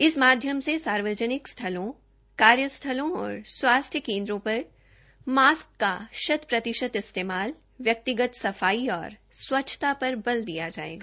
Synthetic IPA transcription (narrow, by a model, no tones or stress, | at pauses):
ɪsmaːd̪ʱjəmsesaːɾʋəd͡ʒənɪkst̪ʰɐlõ | kaːɾjəst̪ʰɐlõɔ̰ːɾswaːst̪ʰjəkẽːnd̪ɾõpɐɾ | maːskːaʃɐd̪pɾɐt̪ɪʃət̪ɪst̪eːmaːl | ʋjɐk̚t̪ɪɡət̪sɐfaːiɔ̰ːɾswɐtːʃʰt̪apɐɾbɐld̪ijad͡ʒa̰ːḛːɡaː